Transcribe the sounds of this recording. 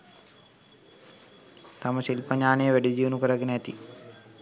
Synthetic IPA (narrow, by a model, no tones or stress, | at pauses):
t̪ɐmɐʃilpɐɲaːneːʋeɽid͡ʒiːʋunukɐɾɐɡneɐt̪i